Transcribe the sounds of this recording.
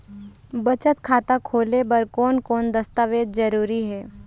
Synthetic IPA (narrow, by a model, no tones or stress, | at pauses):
bɐt͡ʃət̪kʰaːt̪akʰoːlebɐɾkɔːnkɔːnd̪ɐst̪aːʋeːd̪d͡ʒɐɾuːɾiɦɛː